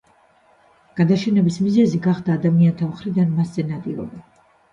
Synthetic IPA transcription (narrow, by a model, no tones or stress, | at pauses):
ɡ̥ad̪aʃɛnɛbismizɛziɡaχd̪aːd̪amiant̪ʰamχɾid̪anmasz̥ɛnat̪ʼiɾɔb̪a